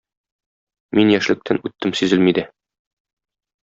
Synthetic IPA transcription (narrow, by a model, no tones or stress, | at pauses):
minjæʃlɘ̆k̚t̪ʰænʉt̪ːɘmsʉzɘlmid̪æ